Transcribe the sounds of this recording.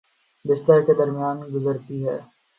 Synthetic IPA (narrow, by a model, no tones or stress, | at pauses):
bɪst̪əɾked̪ɐɾmijaːnɡʊzəɾt̪iɦɛː